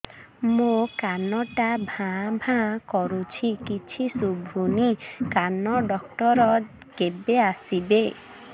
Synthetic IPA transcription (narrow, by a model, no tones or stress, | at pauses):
mokanɔʈabʱãbʱãkɔɾut͡ʃʰikit͡ʃʰisubʱunikanɔɖɔk̚ʈɔɾɔ | kebeasibe